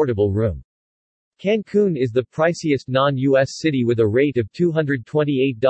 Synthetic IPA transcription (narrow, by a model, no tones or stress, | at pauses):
ɹɾɨbl̩ˠɹũm | kʰæ̃ŋkʰũnɪzðɨpʰɹ̥aɪsiɨstⁿnɑ̃njʉɛsɪɾiwɨðəɹeɪɾʌv̥tʰʉɦʌ̃ndɹɨd̚tʰw̥ɛ̃ñieɪt̚d̥